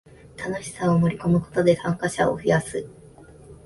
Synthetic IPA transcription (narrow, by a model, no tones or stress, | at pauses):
t̪anoɕi̥saomo̞ɾʲiko̞mɯ̟ko̞̥t̪o̞d̪e̞sãŋkaɕa̰o̰ɸɯjasɨ